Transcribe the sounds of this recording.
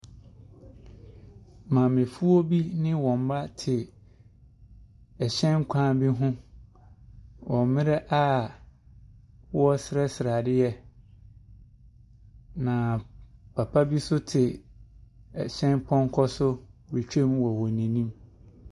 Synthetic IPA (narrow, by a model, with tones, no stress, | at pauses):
mã˨mɪ̃˨fu˦o˦bi˦nɪ̃˦wɔ̃˨m˨˦ba˦tʰɪ˨ | ɛ˨ɕɛ̃˦n˦kʷʰã˦bi˦ɦʊ̃˦ | wʔɔ̃˨mmɪ̃˦ɾɛ˦ʔa˦˨ | wɔ˦sɾɛ˦sɪ˨ɾa˨dɪ˦ɛ˦ | nã˨pʰa˨pʰa˦bi˦sʊ˦tʰɪ˨ | ɛ˨ɕɛ̃˦npʰɔ̃˦ŋ˦kʰɔ˦sʊ˦wi˨t͡ɕᶣe˦m˦wɔ˨wɔ̃˨nĩ˨nĩ˦m